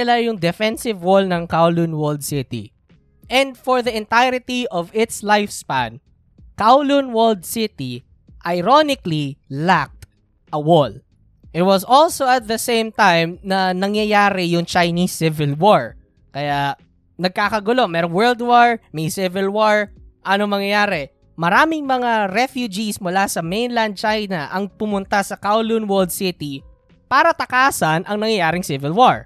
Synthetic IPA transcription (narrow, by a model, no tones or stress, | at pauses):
sɪlajʊŋd̪ɛfɛnsɪvwolnɐŋkawlunwɔld̪̚sɪt̪ḭ | ʔɛ̃nd̪fɔɹðɐɪ̃nt̪ajɾɪt̪iʔɔvɪt̪slajfspã̰n | kawlunwɔld̪̚sɪt̪i | ʔɐjɾonɪklilak̚t̪ | ʔɐwol | ʔɪt̪̚wɐsɔlsoɐt̪̚ðɐsẽjmt̪ajmnɐnɐŋjɐjaːɾɛjʊŋt͡ʃɐjnisːɪvɪlwoɹ | kɐja | nɐɡ̚kaːkɐɡʊlo̞mɛːɾoŋwɛld̪woɹmɛjsɪvɪlwoɹʔɐnomɐŋjɐjaːɾɛ | mɐɾaːmɪŋmɐŋaɾɛfjud͡ʒismʊlasɐmejnland̪̚t͡ʃajnɐʔɐŋpʊmʊnt̪asɐkawlunwɔld̪̚sɪt̪i | paːɾɐt̪ɐkaːsɐnʔɐŋnɐŋjɐjaːɾɪŋsɪvɪlwoɹ